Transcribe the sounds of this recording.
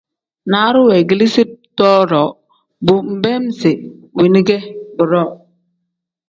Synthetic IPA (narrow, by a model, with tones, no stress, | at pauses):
na˨˦ɾu˦we˨ɡi˨li˦si˦t̚tɔ˦ɾɔ˨˦ | bu˨m̩˨bɛ˦m˦se˨wi˨ni˦ɡɛ˦bu˨ɾɔ˦˨